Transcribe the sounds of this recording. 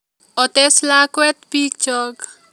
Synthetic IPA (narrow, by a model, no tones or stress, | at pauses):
ɔt̪eslakwɛt̪̚pik̚t͡ʃɔɡ